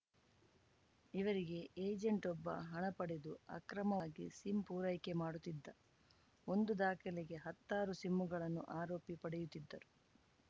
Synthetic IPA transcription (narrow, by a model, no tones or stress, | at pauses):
iʋɐɾiɡe̞ʔeːd͡ʒeɳʈɔbːɐ̰ɦɐɳɐpɐɽed̪uɐ̰kɾɐmɐːɡisimpuːɾɐjke̞maːɽut̪ːid̪ːɐ | o̞nd̪ud̪aːkʰɐlɛɡe̞ɦɐt̪ːaːɾusimːuɡɐɭɐnːṵʔaːɾoːpipɐɽɛjut̪ːid̪ːɐɾu